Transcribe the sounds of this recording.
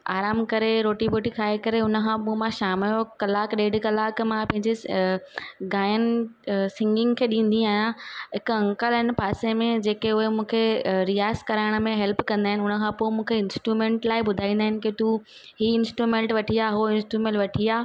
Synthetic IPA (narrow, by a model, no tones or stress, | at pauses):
aːɾaːmkɐɾeɾoːʈiboːʈikʰaːekɐɾeʊnə̆kʰãːpumãʃaːmɪjokɐlaːkɗeːɖkɐlaːkmãpɐ̃ɦɪ̃ɲd͡ʑe | ɡaːjənɪ̆sɪ̃ŋɡɪ̃ŋɡkʰeːɗĩːn̆d̪ĩaːjãɦɪkɐ̃ŋkəlɪn̆paːsemẽd͡ʑeːkeʊɦemũːkʰeɾijaːɪskɐɾaːɪɽ̃ə̆mẽɦɛlpkɐ̃nd̪aːɦɪnɪʊnə̆kʰãpoːɪmũːkʰeɪnsʈɾumẽːɳʈlaːɪɓʊd̪ʱaːĩːnd̪aːɦɪnɪ̆ket̪u | ɦiɪ̃nsʈɾumẽːɳʈʋɐʈʰiaɦoɪ̃nsʈɾumẽːɳʈʋɐʈʰiaː